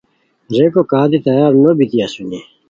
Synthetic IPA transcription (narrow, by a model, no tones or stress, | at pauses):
ɾeːkokaːd̪it̪ɐjaːɾnobit̪ijasuɲeː